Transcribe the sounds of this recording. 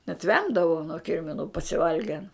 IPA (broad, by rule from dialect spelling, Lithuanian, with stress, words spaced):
nʲɛt ˈʋʲɛmdɐʋɐʊ nuɔ ˈkʲɪrʲmʲɪnʊ pɐsʲɪˈʋɐlʲɡʲɛn